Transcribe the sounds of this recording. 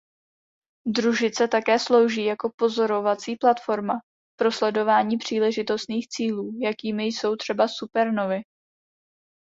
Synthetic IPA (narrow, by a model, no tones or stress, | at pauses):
d̪ɾuʒɪt͡sɛt̪akɛːslo̞wʒiːjako̞po̞zo̞ɾo̞vat͡siːplat̪fo̞ɾma | pɾo̞slɛdo̞vaːɲiːpr̝̥iːlɛʒɪt̪o̞st̪niːxt͡siːluːjakiːmɪjso̞wt̪r̝̥ɛbasupɛɾnovɪ